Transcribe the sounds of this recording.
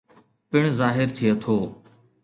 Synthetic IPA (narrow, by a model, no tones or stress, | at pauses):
pɪɳ̃zaːɦɪɾt̪ʰɪjot̪ʰoː